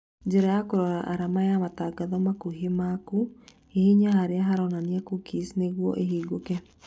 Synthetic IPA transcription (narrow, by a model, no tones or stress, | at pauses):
d͡ʒeɾajakoɾɔɾa̰ʔaɾamajamataɡaðɔmakuɦemaku | ehiɲahaɾeaɦaɾɔnaniakukisneɣwɔ̰ʔeɦiːɡokɛ